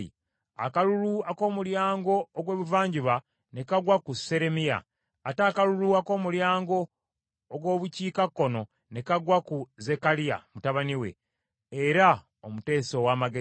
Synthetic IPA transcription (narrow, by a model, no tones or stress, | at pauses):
ḭ | a̰kaluluako̞ːmuljaːŋɡo̞ːɡwe̞ːβuvaːɲɟiβa | ne̞kaɡwakuse̞ɾe̞mia̰ː | taːkaluluako̞ːmuljaːŋɡo̞ː | ɡwo̞ːβuciːkakːo̞no̞ | ne̞kaɡwakuze̞kalija̰mutaβaniwe̞̰ | eɾa | omute̞ːso̞waːmaɡe